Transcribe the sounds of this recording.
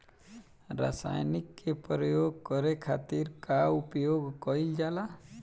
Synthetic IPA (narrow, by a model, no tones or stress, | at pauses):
ɾa̰sa̰jnikːepɾɔjoɡ̚kɔɾekʰat̪iɾkaupjoɡkɔild͡ʒala